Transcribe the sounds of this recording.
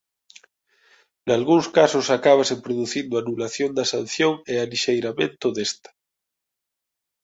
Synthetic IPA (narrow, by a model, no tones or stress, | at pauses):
nalɣuŋskasosakaβ̞asempɾoðuθind̪oanulaθjond̪asan̟θjoŋealiʃejɾamẽnt̪oðest̪ḁ